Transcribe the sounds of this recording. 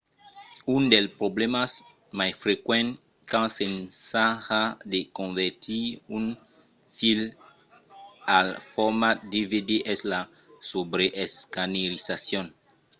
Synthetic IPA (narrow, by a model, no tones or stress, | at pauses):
undelpɾoblemas | majfɾekwɛ̃n | kãnsensaxadekõɱvɛɾt̪iun | fil | alfɔɾmad̪ividiʔɛsla | sobɾeʔeskaneɾisasjõn